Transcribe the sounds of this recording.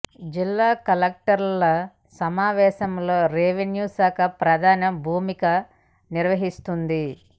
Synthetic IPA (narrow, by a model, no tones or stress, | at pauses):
d͡ʒilːaːkɐlɐk̚ʈɐɾlɐ | sɐmaːʋɛːʃɐmlo̞ːɾeːʋenjuːsaːkɐpɾɐd̪ʱaːnɐmbʱuːmikɐ | niɾʋɐɦist̪und̪i